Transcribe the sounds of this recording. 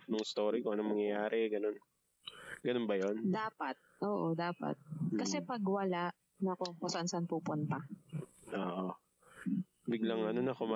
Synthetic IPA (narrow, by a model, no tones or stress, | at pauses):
nʊŋɪst̪oːɾikoʔɐnoŋmɐŋjɐjaːɾɛɡɐno̞n | ɡɐnonbɐjond̪aːpɐt̪̚ʔoːʔod̪aːpɐ̰t̪̚kɐsɛpɐɡwɐlaʔ | nɐko̞kosɐʔɐnsɐɐnpupʊnt̪ɐʔoːʔo | bɪɡlɐŋʔɐnonɐkoma